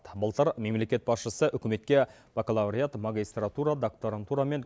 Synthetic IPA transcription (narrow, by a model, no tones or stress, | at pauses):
t̪bəlˠt̪əɾme̞mle̞kʲe̞t̪̚bɑsʃəsəʔʏkʲɪme̞t̪̚kʲe̞ | vokolˠavɾʲijat̪maɡʲijst̪rat̪uɾad̪okt̪oɾant̪uɾame̞ŋ